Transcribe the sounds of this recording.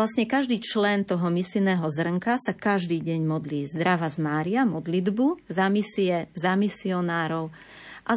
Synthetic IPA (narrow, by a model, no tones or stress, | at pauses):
asɲɛkaʒd̪iːt͡ʃlɛnt̪ɔɦɔmisinɛːɦɔzr̩ŋkasakaʒd̪iːɟɛɲmɔd̪liːzd̪ɾaʋazmaːɾiamɔd̪lid̪buzamisiɛzamisiɔnaːɾɔʊ | ʔa